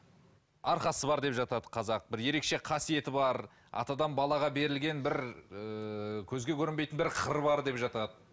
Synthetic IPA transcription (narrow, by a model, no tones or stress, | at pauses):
ɑɾχqɑsəbɑɾd̪e̞pʒɑt̪ɑd̪əqʰɑzɑq̚bɪɾje̞ɾe̞kʃe̞qʰɑsije̞t̪ɪbɑɾ | ɑ̰t̪ɑd̪ɑnbɑlˠɑʁɑbe̞ɾɪlɡʲe̞nbɪɾəkʲʰɵzɡʲe̞kʲʰɵɾɪnbejt̪ɪnbɪɾqʰəɾbɑɾd̪e̞pʒɑt̪ɑd̪ə